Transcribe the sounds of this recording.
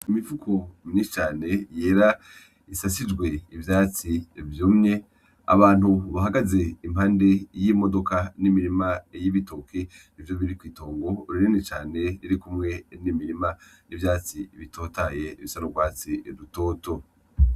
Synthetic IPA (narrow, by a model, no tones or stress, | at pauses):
imivukʰomiɲisit͡ʃaːne̞je̞ːɾa | isasid͡ʒɡwe̞ivjaːt͡sivjoːmɲe̞ | a̰βaːn̥huβaɦaɡaze̞im̥haːnde̞jimo̞do̞kanimiɾimajiβito̞kʰe | ivjo̞βiɾikwiːto̞ːŋɡo̞uɾiɾinet͡ʃaːne̞ɾiɾikumŋe̞nimiɾimanivjaːt͡siβitʰo̞taje̞iβisanoɡwaːt͡siɾuto̞ːto̞